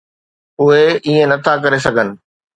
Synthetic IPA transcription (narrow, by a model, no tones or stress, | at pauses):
ʊɦeiẽnɐt̪ʰakɐɾes̬ɐɡʱənɪ̆